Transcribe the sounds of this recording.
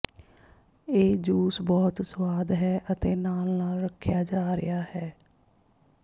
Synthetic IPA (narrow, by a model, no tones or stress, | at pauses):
eːd͡ʒuːsbɔːt̪swaːd̪ɦɛːʔət̪eːnaːlnaːlɾəkʰːɪjaːd͡ʒaːɾɪ̰jaːhɛː